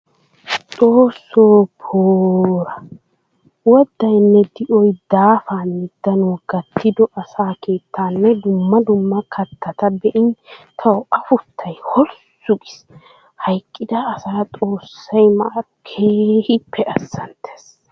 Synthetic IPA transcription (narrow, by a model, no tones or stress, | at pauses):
t͡sʼoːsːoːpʰoːɾɐ | wɔd̪ːɐjnːɛd̪ɪʔɔjd̪aːfaːnɪd̪̥ːɐnuːɡɐt̪ːɪd̪ɔʔɐsaːke̞ːt̪ʰːaːnːɛd̪ʊmːɐd̪ʊmːɐkʰɐt̪ʰːɐt̪ɐbɛʔɪnt̪ʰɐwɐfʊt̪ːɐjhɔlsʊɡɪs | hɐjkʼːɪd̪ɐːsaːtʼo̞ːsːɐjmɐʔɐ | kʰeːhɪpʰːɛʔɐsːɐnt̪ʰe̥ːs